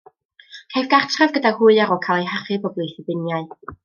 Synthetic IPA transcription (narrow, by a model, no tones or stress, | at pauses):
kʰajvɡartʰravɡədahuːɨaɾɔkʰaːlˠejɦaχɨbɔblˠejθɪbɪnjaɨ